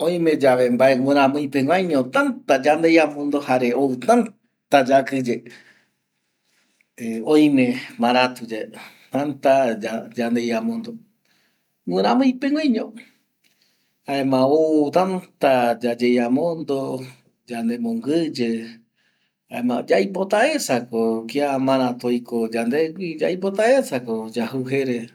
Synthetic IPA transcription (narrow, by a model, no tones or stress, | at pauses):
õj̃mẽd͡ʒaʋembaewẽɾ̃ãmɨ̃j̃pẽŋʷãjɲõt̪ant̪ad͡ʒand̪ejamõnd̪ohaɾeʔowt̪ãn | t̪ad͡ʒakɨd͡ʒe | eõj̃mẽmãɾat̪ud͡ʒe | t̪ãnt̪ad͡ʒad͡ʒand̪ejamõnd̪o | wʷẽɾ̃ãmɨ̃j̃pẽŋʷwãjɲõ | haemãot̪ant̪ad͡ʒad͡ʒejamõnd̪o | d͡ʒand̪emõŋɡɨd͡ʒe | haemã̰d͡ʒajpot̪aesakokiamãɾat̪ojkod͡ʒand̪eɡʷid͡ʒaipot̪aesakod͡ʒahuɦeɾe